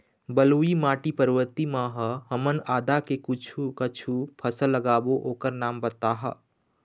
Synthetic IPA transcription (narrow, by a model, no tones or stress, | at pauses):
bəluimaːʈipəɾwəɾt̪imãɦəɦɐmənaːd̪akekʊt͡ʃʰukət͡ʃʰupʰəsəlːəɡaːboʔoːkəɾnaːmbət̪aːɦə̰